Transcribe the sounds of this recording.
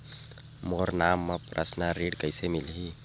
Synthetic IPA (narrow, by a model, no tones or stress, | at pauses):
moːɾnaːmːəpɾʔə̰snaɾiɖkəɪsemɪlɦi